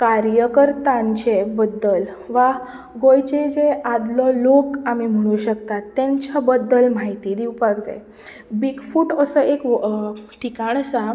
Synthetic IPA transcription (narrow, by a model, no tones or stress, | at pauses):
kaɾjəkəɾt̪ãɲt͡ɕebəd̪ːəl | ʋa | ɡojt͡ɕed͡zead̪lɔlokamim̤əɽ̃uɕəkt̪at̪ːɛ̃ɲt͡ɕabəd̪ːəlmaɦit̪iːd̪iwpaɡd͡za̰j | biɡfuʈəsəek | ʈʰikaɳ̃sa